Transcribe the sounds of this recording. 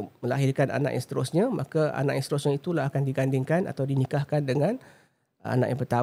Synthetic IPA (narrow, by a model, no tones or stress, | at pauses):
məlaɦirkanʔa̰na̰ʔja̰ŋst̪əɾʊsɲamakaa̰naʔjãst̪əɾʊsɲãit̪ulaɦakandiɡandɪŋkana̰t̪awdinikahkandəŋãn | a̰na̰ʔjãŋpərt̪a